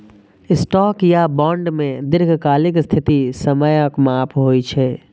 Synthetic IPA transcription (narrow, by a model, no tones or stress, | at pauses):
ɪsʈɔːkjabɔ̃ːɳɖmẽd̪ɪɾɡʱkaːlɪkst̪ʰɪt̪isɐməjəkmaːpɦoːit͡ʃʰɛː